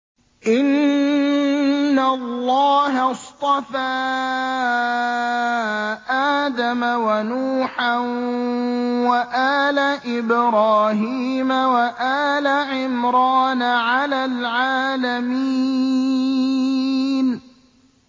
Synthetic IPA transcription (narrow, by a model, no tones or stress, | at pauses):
ʔɪn | alːɑːɦɑst̪ˤɑfaː | ʔaːd̪amawanuːħa | waʔaːlaʔɪbɾɑːɦiːmawaʔaːlaʕɪmɾɑːnaʕalaːlʕaːlamiː | n